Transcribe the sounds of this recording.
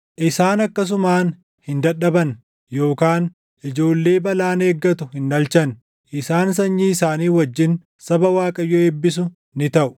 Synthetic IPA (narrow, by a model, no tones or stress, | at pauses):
ʔɪsaːnɐkːɐs̬ʊmaːn | hɪnd̪ɐᶑɐbɐn | jo̞ːkaːn | ʔɪd͡ʒo̞ːlːe̞ːbɐlaːne̞ːɡːɐt̪ʊhɪndɐlt͡ʃɐn | ʔɪsaːns̬ɐɲːiːɪsaːniːwɐd͡ʒːɪn | sɐbɐwaːkʼɐjːɔeːbːɪs̬ʊ | nɪt̪ɐʔʊ̥